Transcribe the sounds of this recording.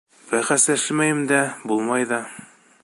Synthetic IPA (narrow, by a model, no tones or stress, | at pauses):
bæχæslæʃɘmæjɘmd̪æbulˠmɑjðɑ